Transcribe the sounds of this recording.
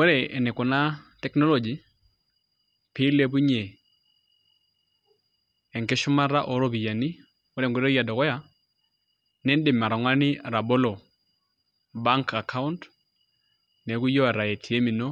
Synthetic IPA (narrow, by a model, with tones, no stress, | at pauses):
wɔ˦ɾɛ˨ɛ˨nɛ˨kɔ˨na˦tɛ˦knɔ˦lɔ˨d͡ʒi˨ | pɪ˦le˦b̬u˦ɲe˨ | ŋkɪ˦ʃu˦ma˦ɾa˦ʔɔ˨ɾo˦bi˨ja˨ni˦ | wɔ˦ɾɛ˨ŋɡu˨ɾɔ˦ja˨dɔ˨kɔ˦ja˦˨ | nɛ˦ndɪ˨ma˨ɾa˨ŋwa˦nɪ˦˨ɾa˨bɔ˦lɔ˨ | ba˦ŋka˨kʰa˦u˦nt | nɛ˨˦ku˦jɔ˦a˨ɾa˨je˨tʰi˨e˦mi˨no˦